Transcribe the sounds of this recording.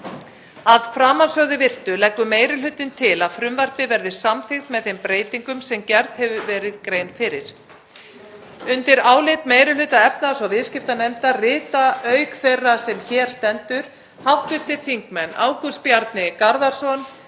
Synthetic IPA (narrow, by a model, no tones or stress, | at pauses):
aðfɾaːmansœɣðɪvɪr̥t̪ʏlɛkvʏmeːjɾɪlʏːt̪ɪnt̪ʰɪlaðfɾʏmvɛr̥pɪvɛɾðɪ̥samθɪxt̪mɛðθejmpɾeːjt̪iŋkʏmsɛmcɛɾðhɛvʏvɛːɾɪðkɾeːjnfɪɾɪɾ̥ | ʏnt̪ɪɾaːwlɪt̪mejɾɪlʏːt̪aɛp̚nasɔvɪðscɪft̪anɛmt̪arɪːt̪aœːɥkfejrːasɛmçɛːɾ̥st̪ɛnt̪ʏɾ̥ | hawht̪vɪ̥t̪ɪɾ̥θiŋkmɛnːa̰ːwkʏspjaɾt̪nɪkaɾðaɾ̥sɔn